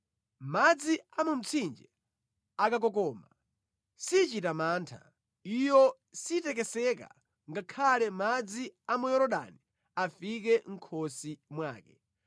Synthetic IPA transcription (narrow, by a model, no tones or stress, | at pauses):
mad͡ziamum̩t͡sʰind͡ʒɛ | akak̬ɔk̬ɔːma | sit͡ʃitamaːntʰa̰ | ijɔ | sitɛk̬ɛsɛka̰ | ŋɡakʰalɛmad͡ziamujɔɾɔɗa̰ni | afik̬ɛŋ̩kʰɔsimwaːkɛ